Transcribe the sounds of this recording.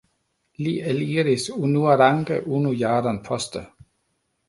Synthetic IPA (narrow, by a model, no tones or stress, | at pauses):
liːeliːɾisunuɐɾaŋɡ̥əʔunujɑːdɐnpʰɔsd̪̥ə